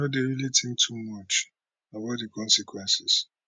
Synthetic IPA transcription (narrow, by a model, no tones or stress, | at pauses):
ɔdeɹilitʰɪ̃ŋtʰumat͡ʃ | abaʊtdikʰɔ̃nsikʰwɛ̃nsɪs